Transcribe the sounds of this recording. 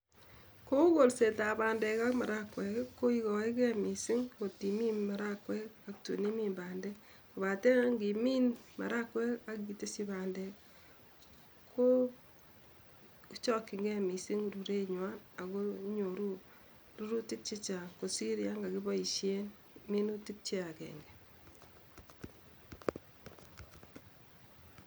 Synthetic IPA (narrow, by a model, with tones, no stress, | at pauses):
ko˦ko˨lse˨ta˨baː˨ndɛ˨ka˦kma˨ɾa˦kwɛ˨kkːo˦i˦kɔ˨i˦kɛ˦mi˨sɪ˦ŋko˨ti˨mi˦nma˨ɾa˦kwɛ˦ka˨k̚tṵ˨ni˦mi˦mbaː˨ndɛ˦ | ko˨βa˨tɛ˦ŋɡi˨mi˦nma̰˨ɾa˦kwɛ˦ka˦ki˨te˦si˦baː˨ndɛ˨ | kʰo˦ | t͡ʃɔ˦kːɪ˨ŋɡɛ˦mi˨si˦ŋɾu˨ɾe˦ɲwa˦na˨ko˦ɲo˨ɾu˦ | ɾu˦ɾu˦ti˦k̚t͡ʃi˦t͡ʃa˨ko˨si˦ɾja˦ŋɡa˨ɡi˦bɔ˦i˨ʃje˦n | mi˦nu˦ti˦k̚t͡ʃe˦a˨kɛ̰ː˨ŋɡɛ˨